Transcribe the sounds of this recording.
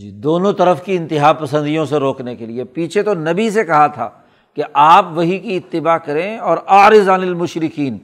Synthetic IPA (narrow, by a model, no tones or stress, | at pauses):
d͡ʒiːd̪oːnõt̪ɐɾəfkiɪ̃nt̪ɪɦaːpɐsə̃nd̪ijõseɾoːknekeliepiːt͡ʃʰet̪onɐbis̬ekɐɦat̪ʰa̰ː | keʔaːpʋɐɦikiɪt̪ːɪbaːkɐɾẽɔːɾaːɾɪzaːnɪlmʊʃɾɪkiːn